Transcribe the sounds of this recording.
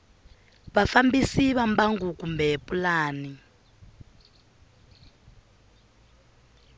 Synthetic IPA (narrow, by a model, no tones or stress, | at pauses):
βafambisiβambaŋɡukumbɛpʼulaːni